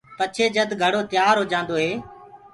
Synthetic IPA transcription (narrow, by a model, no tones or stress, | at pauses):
t̪ət͡ʃʰeːd͡ʒəd̪ɡʱəɽoːt̪ɪjaːɾɦoːd͡ʒãːnd̪oːɦeː